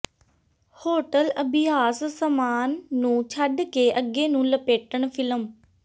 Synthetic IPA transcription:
hoːʈələbɪjaːssəmaːnːũːt͡ʃʰaɖkeʔəɡeːnũːləpeːʈəɳ̃fʰɪləm

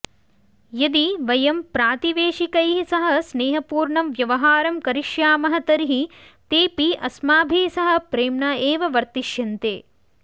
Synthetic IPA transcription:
jɐd̪iʋɐjɐmpɾaːt̪iʋeːʃikɐjɦisɐɦɐ̆sneːɦɐpuːɾɳɐmʋjɐʋɐɦaːɾɐmkɐɾiʃjaːmɐɦɐt̪ɐɾiɦi | t̪eːpiʔɐsmaːbʱisɐɦɐ̆pɾeːmɳaːeːʋɐʋɐɾt̪iʃjɐnt̪eː

